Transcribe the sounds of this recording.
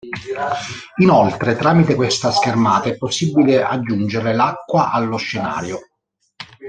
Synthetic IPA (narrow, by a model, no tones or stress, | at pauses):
inolt̪ɾet̪ɾaːmit̪ekwest̪askermaːt̪aɛpːosːibːileʔad͡ʒːund͡ʒeɾelakːwaʔalːoʃːena̰ːɾjo